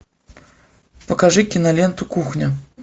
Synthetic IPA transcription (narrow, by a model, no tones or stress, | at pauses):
pɐkaʐɨkʲinalʲɛnt̪ukuxnʲɐ